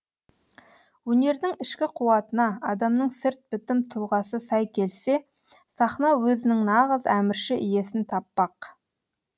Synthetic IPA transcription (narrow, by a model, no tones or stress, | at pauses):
wɵne̞ɾd̪ɪŋɪʃkʲɪqʰuwɑt̪ənɑɑd̪ɑmnəɴsɪɾt̪̚b̥ɪt̪ɪmt̪ʰʊlˠʁɑsəsɑjkʲʰe̞lse̞ | sɑχnɑwɵzɪnɪŋnɑʁəzæmɪɾʃɪʔɪje̞sɪnt̪ʰɑpːɑq